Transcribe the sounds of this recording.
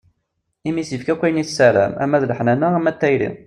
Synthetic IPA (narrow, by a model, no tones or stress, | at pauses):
imisəfkækʷːæjəniθsæɾæ̰mæ̰mːæðləħnænææmːæt̪ːæjɾḭ